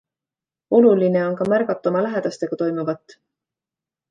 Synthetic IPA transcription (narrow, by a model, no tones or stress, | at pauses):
o̞luline̞o̞nkɑmærɡɑt̪ːˑo̞mɑlæɦe̞d̪̥ɑst̪e̞ɡ̥ɑt̪o̞jmuvɑt̪ːˑ